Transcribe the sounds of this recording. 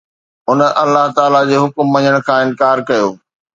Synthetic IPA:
ʊnəʔɐlːaɦt̪aːlad͡ʑeːɦʊkmːɐɲəɽ̃kʰãːɪnkaːɾkɐjoː

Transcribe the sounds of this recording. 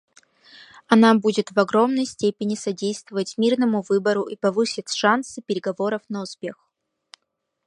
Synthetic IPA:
ɐnabudʲɪt̪vɐɡɾo̞mnəjsʲtʲepʲɪnʲɪsɐdʲejst̪vəvətʲmʲirnəmʊvɨbəɾʊʔipɐvɨsʲɪtʲʂansɨpʲɪɾʲɪɡɐvo̞ɾəfnəʊspʲe̞x

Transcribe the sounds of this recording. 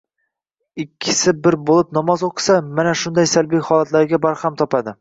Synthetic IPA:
ɪkʲʰːɪ̥sɪbɪɾbolˠɪpnɒmɒzoqʰɨ̥samanaʃʊnd̪ajsalˠbijχɒlˠat̪laɾɡʲabaɾhamt̪ʰɒpad̪ɪ

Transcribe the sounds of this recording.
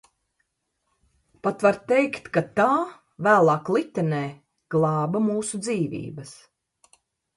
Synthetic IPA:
pat̪vaɾt̪ɛjkt̪kat̪aː | væːlˠɑːklˠit̪ʲɛnɛː | ɡ̥lˠɑːbamuːsud̪ziːvʲḭːbɐs

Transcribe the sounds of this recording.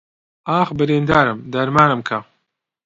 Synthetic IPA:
aːxbɨɾeːnd̪aːɾɨmd̪ɐɾmaːnɨmkʰɐ

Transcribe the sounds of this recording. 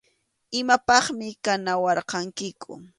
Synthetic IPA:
ɪmapɑχmɪkanawɑɾqɑŋkɪkʊ̰

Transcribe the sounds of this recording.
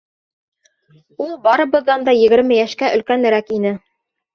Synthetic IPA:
ulˠbɑɾɤ̆βɤ̆ðːɑnd̪ɑjɘ̆ɡɘ̆ɾmɘjæʃkæʔɵ̆lkænɘ̆ɾækinɘ

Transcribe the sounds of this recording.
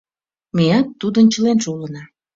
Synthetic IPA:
miɑt̪ːud̪ənt͡ɕəlenʃulənɑ

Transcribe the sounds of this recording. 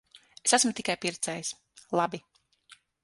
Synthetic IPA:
esasmʊt̪i̥kajpiɾt̪sɛːjs | lˠabi

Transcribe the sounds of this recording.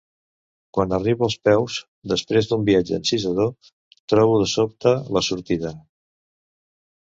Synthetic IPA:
kwanəriβuəlˠspɛwz | d̪əspɾezd̪umbiad͡ʒəːnsizəðo | t̪ɾɔβuðəsop̚t̪ələsuɾt̪iðə

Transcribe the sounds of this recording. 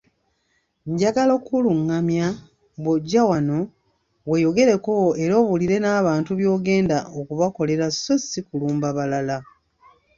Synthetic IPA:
ɲɟaɡalo̞kuluŋːamja | βwoɟːawano̞ | we̞jo̞ɡe̞ɾe̞ko̞eɾo̞ːβuliɾe̞naːβaːntuβjo̞ːɡe̞ːndaʔokuβako̞le̞ɾasːosikuluːmbaβalala

